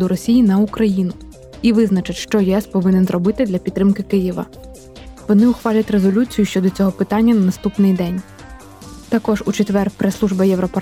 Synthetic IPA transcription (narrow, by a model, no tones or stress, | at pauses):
d̪ʊɾɔsʲijinɐukɾɐjinʊ | iʋɪznɐt͡ʃɪtʲʃt͡ʃɔjɛɛspɔʋɪnɪnzɾɔbɪt̪ɪd̪lʲɐpʲid̪ːɾɪmkɪkɪjiʋɐ̰ | ʋɔnɪʊxʋɑlʲɐtʲre̞zɔlʲut͡sʲijʊʃt͡ʃɔd̪ɔt͡sʲɔɦɔpɪt̪ɑnʲːɐnɐnɐst̪upnɪjd̪ɛnʲ | t̪ɐkɔʒut͡ʃet̪ʋɛrpɾɛslˠuʒbɐjɛwɾɔpɐ